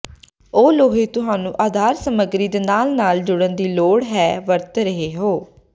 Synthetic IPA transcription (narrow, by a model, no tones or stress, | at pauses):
oːloːɦeːt̪ʊɦaːnũːʔaːd̪ʱaːɾsəməɡɾiːd̪eːnaːlnaːld͡ʒʊɽənd̪iːloːɽɦɛːʋəɾt̪ɾəɦeːɦoː